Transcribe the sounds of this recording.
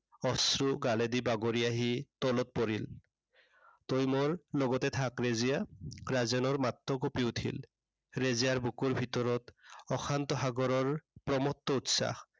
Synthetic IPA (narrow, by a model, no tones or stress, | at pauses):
ɔsɹuɡaledibaɡoɹiaɦitɔlɔt̚pɔɹil | tojmoɹlɔɡɔtɛtʰakɹezijaɹazɛnɔɹmatːɔkopiutʰḭl | ɹezijaɹbukuɹbʱitɔɹɔtɔxʰant̪ɔɦaɡɔɹɔɹpɹɔmɔtːɔutsa̰x